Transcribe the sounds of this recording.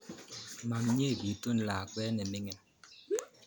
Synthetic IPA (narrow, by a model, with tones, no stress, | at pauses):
ma˨mɲe˦˨ɡi˨˦tu˦n̩˨laː˨kwɛː˦nɛ˨mɪ˦ŋɛ˦